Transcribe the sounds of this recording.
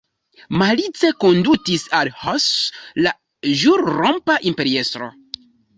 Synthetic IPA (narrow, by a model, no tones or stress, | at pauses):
malit͡se̞ko̞ndutisalhosla | ʒuɾɾompaʔimpe̞ɾiestɾo̞̰